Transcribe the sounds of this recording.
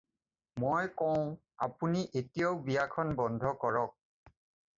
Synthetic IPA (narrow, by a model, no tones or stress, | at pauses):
mojkɔʊ̃ | a̰puniʔetijaʊbijakʰɔnbɔndʱɔkɔɹɔk̚